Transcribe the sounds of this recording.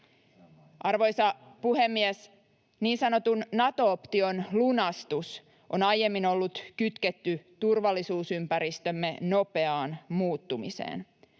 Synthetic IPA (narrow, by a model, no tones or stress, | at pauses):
ʔɑrʋo̞jsɑpuhemːies | niːnsɑno̞t̪unːɑt̪o̞ːpt̪io̞nlunɑst̪us | ʔo̞nɑje̞mːino̞lːut̪kyt̪ket̪ːyt̪urʋɑlːisuːsympæɾist̪ø̞mːe̞no̞pe̞ɑːnmuːt̪ːumisḛːn